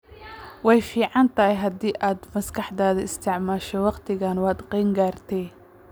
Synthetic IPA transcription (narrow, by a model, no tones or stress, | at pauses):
wɑjfiːʕɑnt̪ʰɐɦɛjɦɐd̪iːʔaːd̪mɐskʰɑħd̪aːðɐɪst̪ʰɪʕmaːʃɛwɑqt̪ʰɪɣaːnwɑːd̪qɛːŋɡaːrt̪ʰɛj